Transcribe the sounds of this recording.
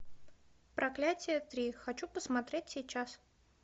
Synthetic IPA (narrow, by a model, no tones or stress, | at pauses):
pɾʔɐklʲætʲɪjət̪ɾʲixɐt͡ɕupəsmɐt̪ɾʲetʲsʲɪt͡ɕːas